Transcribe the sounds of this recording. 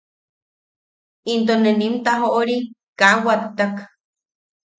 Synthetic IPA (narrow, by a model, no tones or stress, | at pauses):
int̪̬onenimt̪aɦoʔoɾikawat̪ːak